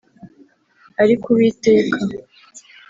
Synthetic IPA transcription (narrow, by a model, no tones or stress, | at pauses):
aɾikuβite̞ːkʰa